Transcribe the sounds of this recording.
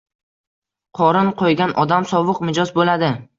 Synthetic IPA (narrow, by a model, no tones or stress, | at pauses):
qʰɒɾɪnqʰojɡʲanʔɒd̪amsɒvɨqmɪd͡ʒɒzbolad̪ɪ